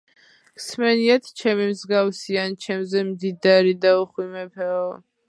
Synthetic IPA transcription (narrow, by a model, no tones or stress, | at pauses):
ksmɛniat̪ʰt͡ʃʰɛmimzɡafsiant͡ʃʰɛmzɛmd̪id̪aɾid̪auχwimɛpʰɛɔ